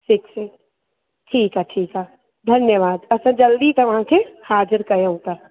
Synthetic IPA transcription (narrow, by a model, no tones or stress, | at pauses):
sɪkse | ʈʰiːkɦaʈʰiːka | d̪ʱɐnjəʋaːd̪ɐsãd͡ʒɐld̪it̪ɐʋɐɦãkʰehaːd͡ʒəɾkɐɾəũt̪a